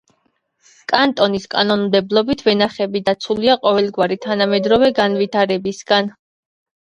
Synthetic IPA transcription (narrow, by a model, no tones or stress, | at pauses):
kʼant̪ʼɔniskʼanɔnmd̪ɛblˠɔbit̪ʰvɛnaχɛbid̪at̪sʰuliaqʼɔvɛlˠɡwaɾit̪ʰanamɛd̪ɾɔvɛɡanvit̪ʰaɾɛbisɡan